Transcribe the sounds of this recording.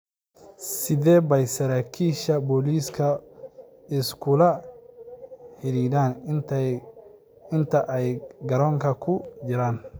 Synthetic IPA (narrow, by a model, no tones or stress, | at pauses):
sɪðɛːbɛjsɐɾaːkʰiːʃɐbɔːliːskʰɐ | ɪskʰʊlɐ | ħɪɾiːdaːn | ɪnt̪ʰɐʔɛjɡɐɾɔːŋkʰɐkʰʊd͡ʒɪɾaːn